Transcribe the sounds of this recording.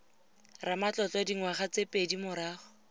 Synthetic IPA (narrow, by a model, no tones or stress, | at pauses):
ramat͡ɬɔt͡ɬɔdiŋwaχat͡sepʼedimʊɾaːχʊ